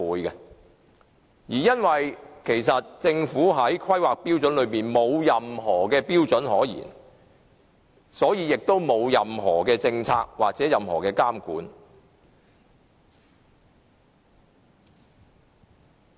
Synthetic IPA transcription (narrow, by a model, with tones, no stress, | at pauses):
uː˨˧jkɛ˧ | jiː˨˩jɐ˥nwɐ˨jkʰe˨˩jsɐ˨t̚t͡sɪ˧ŋfuː˨˥ɦɐ˨˥jkʰɐ˥jwaː˨k̚pi˥wt͡ʃɵ˨˥nlɵ˨˧ɥmiː˨˩nmo˨˧wjɐ˨mɦɔː˨˩kɛː˧piː˥wt͡sɵ˨˥nhɔː˨˥jḭː˨˩n | sɔː˨˥jiː˨˧jɪ˨k̚t̪o˥wmo˨˧wjɐ˨mɦɔ̰ː˨˩kɛː˧t͡sɪ˧ŋt͡sʰaː˧k̚waː˨k̚t͡sɛː˨˦˥jɐ˨mɦɔː˨˩kɛː˧kaː˥mkuː˨˥n